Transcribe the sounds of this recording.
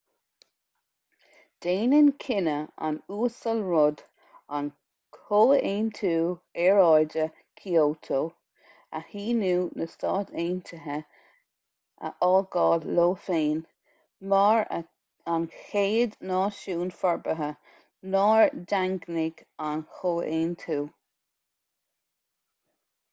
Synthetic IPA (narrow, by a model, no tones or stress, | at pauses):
d̪̥eːnɪnkʰɪnəa̰nuːsəlɹʊd | an | kʰoːeːnt̪ʰuːɛɹɑjdə | kʰiowt̪ʰoː | a̰hiːnuːnəst̪ɑːt̪ʰeːnt̪ʰəɦə | ə̰ʔɑːɡɑːdloːfeːn | mɑːɹ | anxeːd̪nɑːʃuːnfɔɹbəɦə | nɑːɹdaŋɡnɪɡ̥anxoːʔeːntʰuː